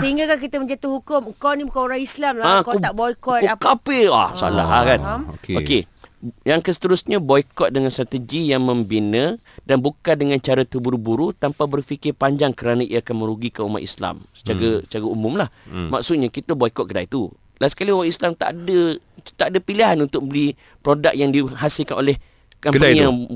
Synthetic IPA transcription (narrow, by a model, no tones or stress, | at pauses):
səɦiŋɡakak̬it̪əmə̃ɲd͡ʒat̪uhɦukʊməŋkawnibukanoɾaŋislamlaakat̪aʔbɔikɔt̪kapəa̰sa̰a̰la̰ɦakankokejaŋkəsə̥t̪əɾusɲãbɔjkɔt̪̚dəŋanst̪ɾat̪əd͡ʒijaŋmə̃mbinə | danbukandəŋãnt͡ʃaɾat̪əbuɾubuɾut̪ampabərfikɪrpaɲd͡ʒaŋkəɾanaḭaakanmə̃ɾuɡikauma̰ʔ̪ḭsla̰msə̥t͡ʃaɾəət͡ʃaɾaumʊmlahmaksut̪̚ɲakit̪əbɔikɔt̪̚kədait̪u | lasə̥kaliumaʔ̪islamt̪a̰ʔdət̪aʔdəpiliɦanunt̪ʊk̚mbəli | pɾodak̚jaŋdiɦasilkanolɛh | kama